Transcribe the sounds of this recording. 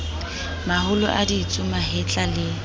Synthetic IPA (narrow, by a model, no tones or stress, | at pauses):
mahʊlʊ̰ʔadit͡sʼʊmaɦɪt͡ɬʼalɪ